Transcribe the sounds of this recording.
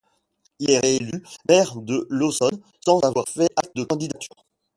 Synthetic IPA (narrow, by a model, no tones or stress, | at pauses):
ilɛʁeelymɛʁd̪əlosɔn | sɑ̃zavwaʁfɛʔak̚t̪̚d̪əkɑ̃d̪id̪at̪ʰy̥̰ːʁ